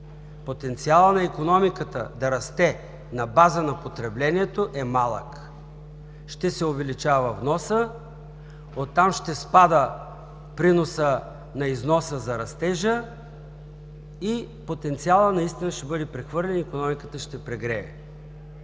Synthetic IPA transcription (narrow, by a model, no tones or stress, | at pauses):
pot̪ɛnt̪sialˠənɐikonɔmikət̪ə̰d̪ɐɾɐst̪ɛ | nɐbazənɐpot̪ɾɛblɛnʲiɛt̪oʔɛmalˠək | ʃt̪ɛsɛovɛlit͡ʃavɐvnɔsə | ot̪ːamʃt̪ɛspad̪ə | pɾinosə | nɐiznɔsəzɐɾɐst̪ɛʒə | i | pot̪ɛnt̪sialˠənɐist̪inəʃt̪ɛbɤd̪ɛpɾɛxvɤɾlʲɛnikonɔmikət̪əʃt̪ɛpɾɛɡɾɛɛ̰